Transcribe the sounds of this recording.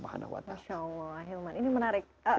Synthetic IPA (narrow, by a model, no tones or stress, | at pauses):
maha̰na̰wa̰t̪aʃaəlɔaɦilmaninimənaɾɪk̚ə